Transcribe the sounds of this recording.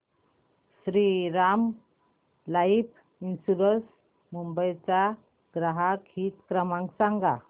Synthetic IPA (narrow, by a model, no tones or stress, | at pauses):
sɾiɾam | laipʰ | insuɾəs | mumbəjt͡sa | ɡ̥ɾaɦakʰit̪kɾəmãŋksaŋɡa̰